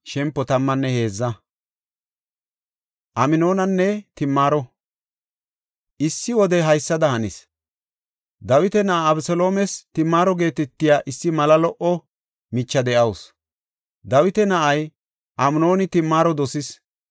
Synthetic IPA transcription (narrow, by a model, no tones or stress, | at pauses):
ʃɛmpːɔt̪ɐmːɐnːɛhe̞ːzːɐ | ʔɐmɪno̞ːnɐnːɛt̪ɪmːaːɾɔ | ʔɪsːɪwɔd̪ɛɦɐjsːɐd̪ɐhɐnɪ̰s | d̪ɐwɪt̪ɛnɐʔaːbsɔlo̞ːmɛst̪ɪmːaːɾɔɡe̞ːt̪ɛt̪ːɪjaːʔɪsːɪmɐlɐlɔʔɔ | mɪt͡ʃːɐd̪ɛʔɐws | d̪ɐwɪt̪ɛnɐʔɐj | ʔɐmɪno̞ːnɪt̪ɪmːaːɾɔd̪ɔsɪs